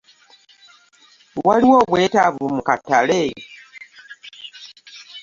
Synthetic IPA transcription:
waliwoβwetaβumukatːale

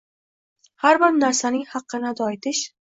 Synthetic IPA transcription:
haɾbɪɾnaɾsanɪŋhɑqːɨnɪd̪ɒjt̪ʰɪʃ

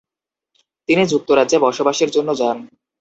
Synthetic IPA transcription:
t̪inid͡ʑuk̚t̪oɾadd͡ʑebɔɾʃobaʃeɾd͡ʑonːod͡ʑan

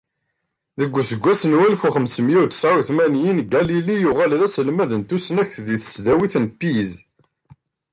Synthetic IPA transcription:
ðəɡʷːsəɡʷːæsənwælfuχəmsəmjit̪saɾiθmænjinɡælilijuʁælðæsəlmæðənt̪usənæçθðiθə̥sd̪æwiθnpːiz

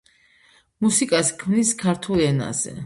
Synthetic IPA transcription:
musikʼaskʰmniskʰaɾt̪ʰulˠɛna̰zɛ̰

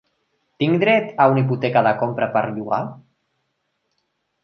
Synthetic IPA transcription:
t̪iŋd̪ɾɛt̪auniput̪ɛkaðakompɾapaɾʎuɣa̰

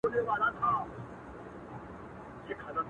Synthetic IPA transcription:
oneʋaːlat̪ʰaː | jekʰɐɾə

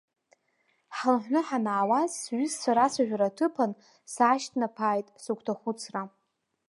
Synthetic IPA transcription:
ħalħʷnɨħanaːwazsɥʷʏst͡sʰʷaɾasaʒᶣaɾatʰɨpʰan | saːʃtʰnapʰaːjtʼsukʷʰtʰaχʷʊt͡sʰra

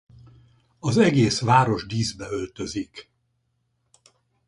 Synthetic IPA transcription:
ɒzɛɡeːsʋaːɾo̞ʒd̪iːzbɛø̞lt̪øzik

